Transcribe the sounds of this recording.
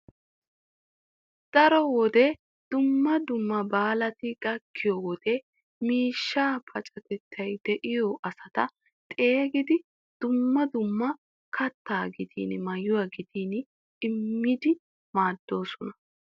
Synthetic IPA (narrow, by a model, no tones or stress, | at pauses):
d̪̥ɐɾɔwɔd̪ɛ | d̪̥ʊmːɐd̪ʊmːɐbaːlɐt̪ɪɡɐkʰːɪjɔwɔd̪̥ɛ | miːʃːaːpʰɐt͡ʃʼɐt̪ɛt̪ʰːɐjd̪̥ɛʔɪjɔʔɐsɐt̪ɐ | t̪ʼe̞ːɡɪd̪ɪ | d̪̥ʊmːɐd̪ʊmːɐ | kʰɐt̪ːaːɡɪt̪ʰḭːnmɐjːʊwɐɡɪt̪iːn | ɪmːɪd̪ɪ | maːd̪ːo̞ːsɔnɐ̥